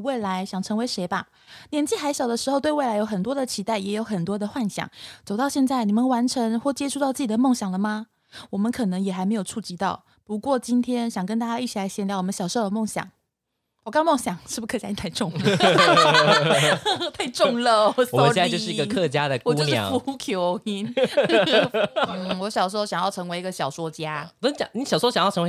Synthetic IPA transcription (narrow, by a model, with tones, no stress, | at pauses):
we˥˩ɪla˧˥ɪɕjɑ˨˩ŋʈ͡ʂʰɤ˧˥ŋwe˧ɪʂe˧˥ɪba˧ | njɛ˧˥nt͡ɕi˥˩xa˧˥ɪɕjɑ˨˩d̪ə˦ʂɻ̩˧˥xo˥˧ʊwwe˥˩ɪla˧˥ɪjo˧˥ʊxə˨˩nt̪wɔ˥d̪ə˨t͡ɕʰi˧˥t̪a˥˩ɪjɛ˧˥jo˧˥ʊxə˨˩nt̪wɔ˥d̪ə˨xwa˥˩nɕjɑ̰˨˩˦ŋt͡so˨˩ʊt̪ɑ˥˧ʊɕjɛ˥˧nt͡sa˥˩ɪni˨˩mə˦nwa˧˥nʈ͡ʂʰə˧˦˥ŋxwɔ˥˩t͡ɕjɛ˥ʈ͡ʂʰu˥˧t̪ɑ˥˧ʊt͡sɹ̩˥˩t͡ɕi˨d̪ə˦mo˥˩ŋɕjɑ˨˩ŋlə˦ma˧ | wɔ˨˩mə˧˦nkʰɤ˨˩nɤ˧˥ŋjɛ˨˩xa˧˥ɪme˧˥ɪjo˨˩ʊʈ͡ʂʰu˥˩t͡ɕi˧˥t̪ɑ˥˩ʊ | pu˧˥kwɔ˥˩t͡ɕi˥nt̪ʰjɛ˥nɕjɑ˨˩ŋkə˥nt̪a˥˧t͡ɕja˥i˥˩t͡ɕi˨˩la˧˥ɪɕjɛ˧˥nljɑ˧˥ʊwɔ˨˩mə˦nɕjɑ˨˩ʊʂo˥˧ʊd̪ə˩mo˥˩ŋɕjɑ̰˨˩˦ŋ˨˩ | kɑ˥ŋmo˥˩ŋɕjɑ˨˩˦ŋʂɻ̩˥˩bu˩kʰt͡ɕja˥i˧˥t̪ʰa˥˧ɪʈ͡ʂʊ˥˩ŋə | t̪ʰa˥˧ɪʈ͡ʂʊ˥˩˥ŋlə˨˩˨so˥˨˥ɻ̩˥˧i˧ɡə˧kʰɤ˥˧˩t͡ɕja˦˥d̪ə˨kwt͡ɕu˥o˥˧jʂ̩˥˧˦fu˧˥˦kʰjo˧˥ʊi˧˥n | n̩˥˩wɔ˧˥ɕjɑ˨˩ʊʂ̬ɕjɑ˨˩ŋjɑ˥˩ʊʈ͡ʂʰɤ˧˥ŋwe˧ɪi˧˥ɡə˨ɕjɑ˨˩ʊʂwɔ˥t͡ɕja˦˥t͡ɕjɑ̰˨˩ŋni˨˥ɕjɑ˨˩swɔ˥ɕjjʰw